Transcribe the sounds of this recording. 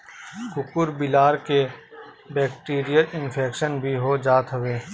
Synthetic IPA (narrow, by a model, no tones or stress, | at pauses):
kʊkʊɾbɪlaːɾke | bɛːk̚ʈiːɾijəlɪnpʰeːkʃənbʱiɦod͡ʒaːt̪ɦɐʋeː